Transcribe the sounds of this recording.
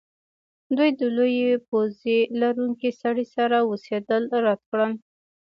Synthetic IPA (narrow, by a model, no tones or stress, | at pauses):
d̪ujd̪əlojepozelaɾuŋkesaɽisaɾawosed̪əlɾat̪̚kɽəl